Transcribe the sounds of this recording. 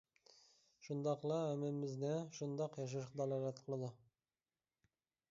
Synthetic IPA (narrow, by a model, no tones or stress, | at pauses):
ʃund̪ɑqlˠɑæmɪmɪznɪʃund̪ɑqjɑʃ̬ɑʃqd̪ɑlɑɾɑt̪qʰəlˠɨd̪ʊ